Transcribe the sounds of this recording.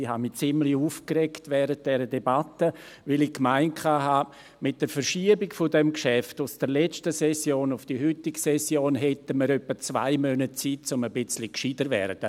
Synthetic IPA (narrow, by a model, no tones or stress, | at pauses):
iha̰mit͡sɪmliuːfkrɛktvɛːɾət̚d̥ɛɾədebatə | vɪlɪçkmaɪnkʰaːɦaː | mɪt̚d̥əɾfəɾʃiəbɪɡfʊdɛmkʃɛftʊsd̥əɾlɛt͡ʃtəsɛsjoːnʊfd̥iɦʏtɪksɛsjoːnɦɛtəməɾœpːət͡sva̰ɪmœnət̚t͡sit̚t͡sʊməbɪt͡slikʃidəɾvɛ̰ɾd̥ə